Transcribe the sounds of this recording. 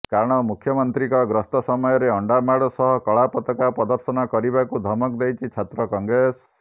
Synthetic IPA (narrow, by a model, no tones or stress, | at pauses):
kaɾɔɽ̃ɔmukʰjɔmɔnt̪ɾikɔɡɾɔst̪ɔsɔmɔjɔɾeɔɳɖamaɽɔsɔɦɔkɔɭapɔt̪ɔkapɾɔd̪ɔɾsɔnɔkɔɾibakud̪ʱɔmɔk̚d̪ejt͡ʃʰit͡ʃʰat̪ɾɔkɔŋɡɾes